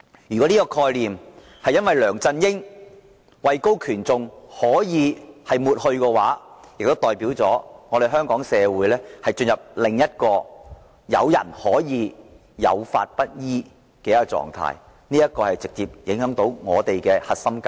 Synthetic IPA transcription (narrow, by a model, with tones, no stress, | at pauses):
jy˨kɔ˨˦˥niː˥kɔː˧kʰɔː˧jliː˨m | hɐ˨jɐ˥nwɐ˨jlœː˨˩ŋt͡sɐ˧njɪ˥ŋ | wɐ˨˧jko˥wkʰyː˨˩nt͡sʊ˨ŋhɔː˨˥jiː˨˧hɐ˨jmuː˨t̚hɵ˧ɥkɛ˧waː˨˥jk̚t̪o˥wt̪ɔː˨˩jpiː˨˥wt͡sɔː˨˥ŋɔː˨˧ɾe˨˩jɦœː˥ŋkɔː˨˥ŋsɛː˨˧wuː˨˥jlɛː˥hɐ˨jt͡ʃɵ˧njɐ˨p̚lɪ˨ŋjɐ˥t̚kɔː˧ | jɐ̰˨˧wjɐ̰˨˩nhɔː˨˥jiː˨˧ | jɐ̰˨˧wfa̰ː˧t̚pɐ˥t̚jiː˥ | kɛː˧jɐ˥kːɔ˧t͡sɔ̰ː˨ŋt̪ʰa̰ː˧j | niː˥ɐ˥t̚kɔː˧hɐ˨jt͡sɪ˨k̚t͡siː˧˨p̚jɪ˨˥ŋhœː˨˥ŋt̪o˨˧˥wŋɔː˨˧t̪e˨jkɛː˧hɐ˨t̚sɐ˥mka˧˩